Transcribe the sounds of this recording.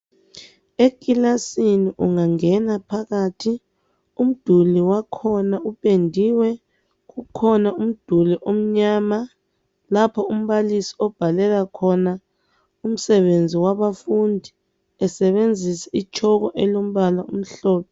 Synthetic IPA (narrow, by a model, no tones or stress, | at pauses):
ek̬ʼilasiniʔuŋaŋɛnapʰaɣatʰi | um̩d̥ʱuliwakʰɔnaupʼendʱiwɛ | ɣukʰɔnaum̩d̥ʱuliʔom̩ɲaːma | lapʰɔum̩βalisi̥ɔb̥ʱalɛlakʰɔna | um̩sɛβend͡zʱiwaβafundʱi | ɛsɛβend͡zʱisɛit͡ʃʰɔɣɔʔɛlom̩βalaum̩ɬɔːpʰɛ